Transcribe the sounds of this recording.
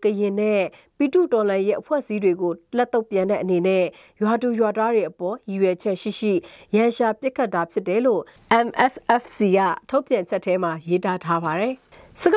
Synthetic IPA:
kəjɪ̃˨nɛ˦˨pi˨tṵ˦˨tɔ˨lã˨je˦ʔəpʰwɛ̰˦ʔəsi˦dwe˨ɡo˨lɛ˦t̪ːo˦ʊpjã˨nɛ̰˦˨ʔəne˨nɛ̰˦˨ | jwa˨tu˨jwa˨ta˦ɹwe˨ʔəpɔ˨ji˨jɛ˨d͡ʑʰɛ˦ʔʃḭ˦˨ʃḭ˦˨jã˨ʃa˨pjɪ˦kʰa˦tːa˨pʰjɪ˦tːɛ˨˦lo˦˨ʔɛ̃˨mʔɛ˦sʔɛ˦˨fsi˨ɡä̰˦˨tʰo˦ʊpjã˨ɲt͡ɕʰɛ˦ʔtʰːɛ˦m̥a˨je˦ta˦tʰa˦ba˨ɾɛ˨ | sə˨ɡ

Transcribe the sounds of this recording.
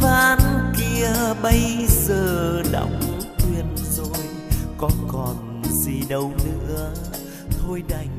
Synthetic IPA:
vaː˧nki˧əɓə˧jzəː˨˩ɗa̰˧˨wŋ͡mt̪wi˨˩ənzo˨˩j | kɔ˨˦kɔ˨˩n | zi˨˩ɗə˨˧˩wnɨ̰˧˥ə | t̪ʰo˧jɗa˨˩jŋ̟

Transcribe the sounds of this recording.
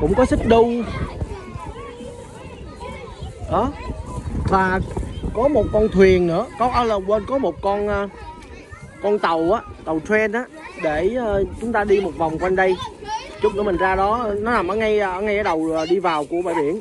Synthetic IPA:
kʊ̰˧˥ŋ͡mkɔ˨˦sɨ˦˥k̚ɗʊ˧ŋ͡m | ɗɔ˨˦ | vaː˨˩kɔ˨˦mo˨˩t̚kɔ˧nt̪ʰwi˨˩ənːɨ̰˧˥əkɔ˨˦ʔəː˧˦lə˨˩ɓwəː˧nkɔ˨˦mo˨˩t̚kɔ˧nː˧ | kɔ˧nt̪ə˨˩wʔaː˨˦t̪ə˨˩wtwɛ˧nʔaː˦ɗeː˧˩˨t͡ɕʊ˨˦ŋ͡mt̪aː˧ɗi˧mo˨˩t̚va˨˩wŋ͡mkwa˧nɗə˧jt͡ɕʊ˦˥k͡p̚nɨ˧˦mə˨˩zaː˧ɗɔ˨˦nɔ˨˦naː˨˩mʔəː˧˦ŋa˧jʔəː˧˩ŋa˧jʔəː˧˦˩ɗə˨˩wə˨˩ɗi˧vaː˨˩wku˧˩əɓa̰ː˧˨jɓḭ˧˩˨ən

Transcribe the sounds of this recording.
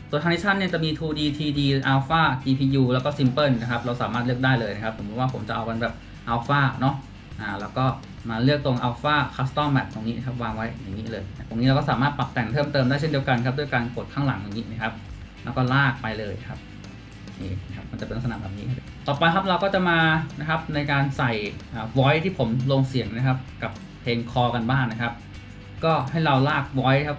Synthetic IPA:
t̪u˧ət̪ʰa˧ni˦˥t͡ɕʰa˥˩nːi˥˩t͡ɕa˨˩miː˧t̪ʰuː˧diː˧t̪ʰiː˧diː˧ʔaː˧wfaː˥˩t͡ɕiː˧pʰiː˧juː˧lɛ˦˥wkɔː˥˩si˧mpɤː˥˩nna˦˥˩kʰa˦˥p̚ɾa˧wsaː˩˦maː˥˩t̪lɯ˥˩ək̚daː˥˩jlɤː˧jna˦˥kʰa˦˥p̚so˩˦bʰu˦˥t̚waː˥˩pʰo˩˦mt͡ɕa˨˩ʔa˧wka˧nbɛː˨˩p̚ | ʔaː˧˩wfaː˥˩nɔ˦˥ | ʔaː˨˩lɛː˦˥wkɔː˥˩ | maː˧lɯ˥˩ək̚t̪o˧ŋʔaː˧wfaː˥˩kʰaː˦˥st̪ɔ˥˩mɛ̰˨˩p̚t̪oː˧ŋniː˦˥na˧kʰp̚waː˧ŋwa˦˥jja˨˩ŋːiː˦˥lɤː˧ja˨˩t̪o˧ŋiː˦˥ɾwkɔː˥˩saː˩˦maː˥˩pla˨˩p̚t̪ɛ˧˩ŋt̪ʰɤː˥˩mt̪ɤː˧mndaː˥˩j̬ʰndi˧əwka˧nkʰa˦˥du˥˩jkaː˧nko˨˩t̪̚kʰaː˥˩ŋla̰˩˦ŋja˨˩ŋiː˦˥na˧˩kʰa˦˥p̚ | lɛ˧˦˥wkɔː˥˩laː˥˩k̚pa˧jlɤː˧jkʰa˦˥p̚ | ʔeː˨˩na˦kʰa˦˥p̚ma˧nt͡ɕa˨˩pe˧nl̚sna̰˧˨˩bɛː˨˩p̚niː˦˥˩t̪ɔː˨˩pa˧jkʰa˦˥p̚ɾa˧wkɔː˥˩t͡ɕa˨˩maː˧na˦˥kʰa˦˥p̚na˧jkaː˧nsa˨˩jʔaː˨˩wɔː˦˥jt̪ʰiː˥˩pʰo˩˦mloː˧ŋsi˨˩˦ŋna˦˥kʰa˦˥p̚ka˨˩p | pʰeː˧ŋkʰɔː˧ka˧nbaː˥˩ŋna˦˥kʰa˦˥p̚ | kɔː˥˩ha˥˩jɾa˧wlaː˥˩k̚wɔː˦˥jkʰa˦˥p̚

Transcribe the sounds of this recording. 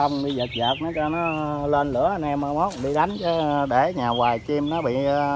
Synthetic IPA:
a˧wŋ͡mɗi˧zə˨˩t̚zəː˨˩k̚nɔ˨˦t͡ɕɔ˧nɔ˨˦lwe˧nlɨ̰˧˩˦ə˧nʔɛ˧ma˧mɔ˦˥t̚ɗḭ˧ɗa˨˦jŋt͡ɕɔ˨˦ɗe˧˩ɲaː˨˩waː˨˩jt͡ɕi˧mnɔ˨˦ɓḭ˧˨

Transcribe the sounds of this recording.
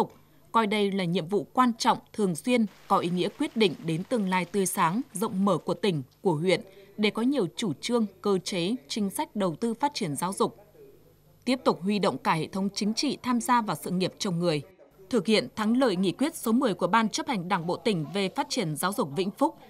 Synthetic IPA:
k͡p̚ | kɔ˧jɗə˧jlaː˨˩ɲḭ˧˨əmvṵ˧˨kwaː˧nt͡ɕɔ̰˧˨wŋ͡mt̪ʰɨ˨˩əŋswi˧ənkɔ˨˦ʔi˨˦ŋḭ˧˥əkwi˦˥ət̚ɗḭ̈˧˨ŋ̟ɗe˨˦nt̪ɨ˨˩əŋlaː˧˨jt̪ɨ˧˩əjsaː˨˦ŋzə̰˧˨wŋ͡mməː˧˩ku˧˩ət̪ï˧˩ŋ̟ku˧˩əɦwḭ˧˨ənɗe˧˩kɔ˨˦ɲi˨˩əwt͡ɕu˧˩t͡ɕɨ˧əŋkəː˧t͡ɕe˨˦t͡ɕï˨˦ŋ̟sa˦˥jk̟̚ɗə˨˩wt̪ɨ˧faː˦˥t̚t͡ɕi˧˩ənzaː˨˦wzʊ˨˩k͡p̚ | t̪i˦˥əp̚t̪ʊ˨˩k͡p̚ɦwi˧ɗo̰˧˨wŋ͡mkaː˧˩hḛ˧˨t̪ʰə˨˦wŋ͡mt͡ɕï˨˦ŋ̟t͡ɕḭ˧˨t̪ʰaː˧mzaː˧vaː˨˩wsɨ̰˧˨ŋi˨˩əp̚t͡ɕə˧˩wŋ͡mŋɨ˨˩əjt̪ʰɨ˨˩k̚hḭ˧˨ənt̪ʰaː˨˦ŋlə̰ː˧˨jŋḭ˧˨kwi˦˥ət̚so˨˦mɨ˨˩əjku˧˩əɓaː˧nt͡ɕə˦˥p̚ha˨˩jŋ̟ɗaː˧˩ŋɓo̰˧˨t̪ï˧˩ŋ̟ve˨˩faː˦˥t̚t͡ɕi˧˩ənzaː˨˦wzʊ˨˩k͡p̚vḭ˧˥ŋ̟fʊ˦˥k͡p̚

